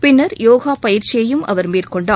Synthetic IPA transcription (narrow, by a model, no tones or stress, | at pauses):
pɪnːɐɾjoːɣaːpɐjɪɾt͡ʃɪjɐjɯmʔɐ̰ʋɐɾmeːrkɔɳɖaː